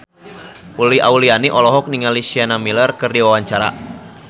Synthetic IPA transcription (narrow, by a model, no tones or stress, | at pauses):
ʔuliʔaulianiʔɔlɔɦɔk̚niŋalisianamilərkɨrdiwawaɲt͡ʃaɾa̰